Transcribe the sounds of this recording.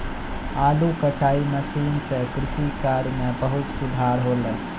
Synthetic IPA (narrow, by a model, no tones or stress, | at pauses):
aːlukəʈaːiməsiːnsekɾɪʃikaɾmebəɦut̪sud̪ʱaɾɦole